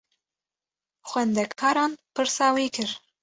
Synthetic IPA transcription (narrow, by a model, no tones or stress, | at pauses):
χwænd̪ækʰɑɾɑnpɨɾsɑwekʰɨɾ